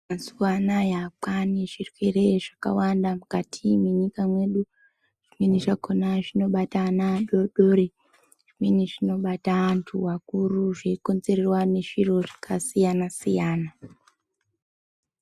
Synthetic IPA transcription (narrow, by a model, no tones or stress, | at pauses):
masuwanajapaniʐirwe̞re̞ʐaka̰wandamukatʰimwe̞ɲikamwe̞ɗu | ʐ̥imweniʐakonaʐino̞ɓatanaɗoɗoɾe | ʐ̥imweniʐino̞ɓataantʰuwakuruʐeikonze̞rerwane̞ʐiro̞ʐḁkasijanasijaːna